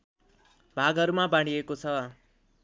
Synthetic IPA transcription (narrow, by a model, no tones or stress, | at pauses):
bʱaɡʌɾumabaɽ̃iekot͡sʰʌ